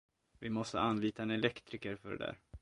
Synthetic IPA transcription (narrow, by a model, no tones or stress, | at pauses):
vɪmɔst̪ə̰anliːt̪anɛlɛkt̪ɾɪkəɾfœɖɛ̰d̪æ̰ːɾ